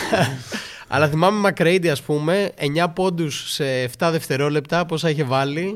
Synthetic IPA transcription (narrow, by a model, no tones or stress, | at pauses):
ɐ̰lɐθimɐme̞mɐkɾejd̪iɐspume̞eɲɐpo̞nd̪usːeːft̪ɐðe̞ft̪e̞ɾo̞le̞p̚t̪ɐpo̞sɐiçevɐli